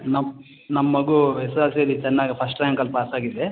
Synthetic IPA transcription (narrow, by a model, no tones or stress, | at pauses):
nɐm | nɐmːɐːɐɡuesaːlsijɐlːit͡ʃɛnːaːɡipʰɐsʈɾɐjŋkɐlpaːsaːɡid̪e